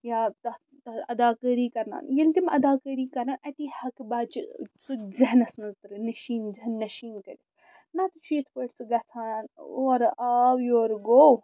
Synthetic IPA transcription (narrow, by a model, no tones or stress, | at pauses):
jaːt̪ɐ | t̪ɐɐd̪aːkəɾiːkɐɾna̰ːnjilt̪imɐ̰d̪aːkəɾiːkɐɾnaːnɐt̪ihɐkbaːt͡ʃit͡suzɐɦnɐsnɐzt̪ɐɾɨnɐʃiːnzɐnːɐʃiːnkɐɾit̪ | nɐt̪t͡ʃʰiːt̪ʰpəʈt͡sɨɡɐt̪ʰaːnoːɾaːwjoːɾɡo